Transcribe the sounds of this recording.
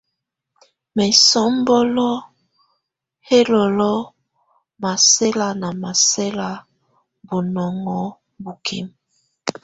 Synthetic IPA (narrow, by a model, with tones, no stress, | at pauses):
mɛ˨sɔ˦m˦bɔ˦lɔ˦ | he˦lɔ˨lɔ˦ | ma˨se˦la˨na˨ma˨se˦la˨ | bu˨nɔ˨ŋɔ˦ | bu˨kʰḭ˦m